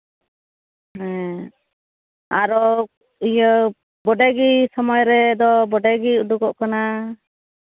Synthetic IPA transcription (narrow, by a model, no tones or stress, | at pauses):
ɦɛ̃ | aɾɔ | ijə | bɔɖɛɡisɔmɔjɾɛd̪ɔbɔɖɛɡiuɖuɡɔʔkana